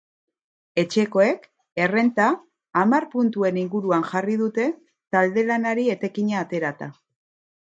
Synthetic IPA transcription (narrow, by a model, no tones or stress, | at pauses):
e̞t͡ʃe̞ko̞e̞k | e̞re̞nt̪aː | marpunt̪ue̞niŋɡuɾuanʝariðut̪e̞ | t̪ald̪e̞lanaɾie̞t̪e̞kiɲaːt̪e̞ɾat̪a